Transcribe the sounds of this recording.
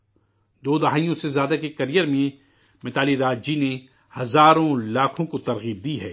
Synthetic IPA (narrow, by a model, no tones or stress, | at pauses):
d̪oːd̪ɐɦaːijõsezjaːd̪akekɐɾijəɾmẽ | mɪt̪aːliɾaːd͡ʒd͡ʒine | hɐzaːɾõlaːkʰõkot̪ɐɾɣiːb̚d̪iɦɛː